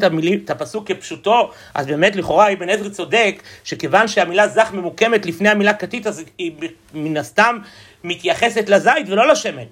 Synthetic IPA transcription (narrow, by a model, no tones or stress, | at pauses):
tamilitapasukːepʃuto̞ | ʔa̰zbe̞ːme̞tliχo̞ʁaibenezʁit͡so̞de̞kʃeke̞vanʃeamilazaχmemuke̞metlifnehamilakatitazi | minast̪amː | it̪jaχe̞se̞tlazajtvelo̞laʃe̞mel